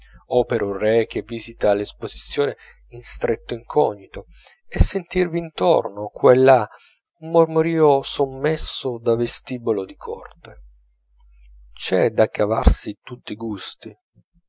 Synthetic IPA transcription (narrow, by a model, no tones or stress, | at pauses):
ɔːpeɾʔurrɛk̟ːevːizit̪alespozit̪sːjoːne | inst̪ɾet̪ːoiŋkʰɔɲːit̪o | esːent̪irviːnt̪o̰rnokwelːa | umːormoɾiːosomːɛsːod̪avest̪iːbolod̪ikʰɔ̰rt̪e | t͡ʃɛd̪akːava̰rsit̪ut̪ːiɡust̪i